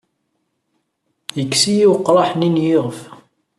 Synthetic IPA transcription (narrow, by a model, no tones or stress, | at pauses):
jəkːsijiwqːɾˤɑħninjiʁəf